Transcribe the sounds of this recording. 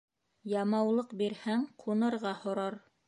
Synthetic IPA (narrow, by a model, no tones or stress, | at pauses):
jɑmɑwlˠɤqbiɾhæŋqʰunɤ̆ɾʁɑhŏɾɑɾ